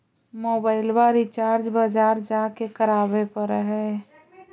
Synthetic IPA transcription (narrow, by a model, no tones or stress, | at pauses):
moːbaːɪlbaɾit͡ʃaːɾd͡ʒbəd͡ʒaːɾd͡ʒakekəɾabepəɾəɦɛ